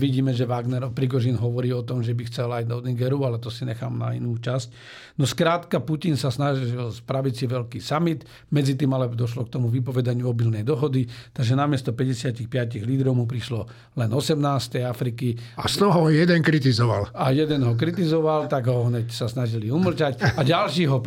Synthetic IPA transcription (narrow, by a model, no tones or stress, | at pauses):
ʋiɟiːmɛʒɛʋaɡnɛɾɔpɾiɡɔʒinɦɔʋɔɾiːɔt̪ɔmʒɛbixt͡sɛlajd̪ɔd̪iŋɡɛɾualɛt̪ɔsiɲɛxa̰ːmna̰ḭnuːt͡ʃasc | nɔskɾaːt̪kapucinsasnaʒilspɾaʋit͡siʋɛlkiːsamit̪ | mɛd͡zit̪iːmalɛd̪ɔʃ̬lɔk̚t̪ɔmuʋipɔʋɛd̪aɲɪuɔbilnɛjd̪ɔɦɔd̪it̪aɡʒɛnamɪɛst̪ɔpɛɟɛsɪacixpɪaciɣliːd̪ɾɔʊmupɾiʃlɔ | lɛnɔsɛmnaːst̪ɛjafɾikiast̪ɔɦɔjɛd̪ɛnkɾit̪izɔʋa̰lajɛd̪ɛnɦɔk̬ɾit̪izɔʋalt̪aɡɦɔɦɲɛcsasnaʒiliuml̩cacaɟalʃiːɦɔ